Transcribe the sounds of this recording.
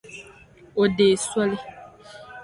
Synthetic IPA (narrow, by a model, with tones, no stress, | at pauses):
o˨de˨swɔ˦lɪ˦